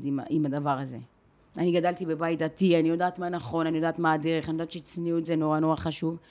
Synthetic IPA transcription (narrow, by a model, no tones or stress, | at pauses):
dimimad̪avaʁaze̞̰ | aniɡadalt̪ibe̞bajit̚dat̪ianijo̞daːt̪manaχo̞nanijo̞d̪aːtmadeʁeχanijodatt͡ʃʃet͡sniuetzeno̞ʁano̞ʁaχaʃuv